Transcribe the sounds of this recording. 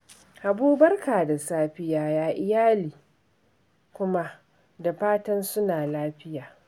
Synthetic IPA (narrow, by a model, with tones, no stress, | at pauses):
ʔa˨buː˦bɐ˦rkaː˨da˨saː˦ɸɪ˦jaː˦jaː˦ʔɪ˨jaː˦liː˨ | kʷʊ˦ma˦ʔ | da˨ɸaː˦tɐ˦nsʊ˦naː˨laː˦ɸɪ˦jaː˨